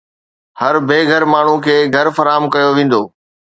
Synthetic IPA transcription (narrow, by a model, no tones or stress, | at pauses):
hɐɾbʱeːɡʱɐɾmaːɳ̤ũkʰeːɡʱɐɾfɐɾaːɦəmkɐjoʋẽːn̆d̪oː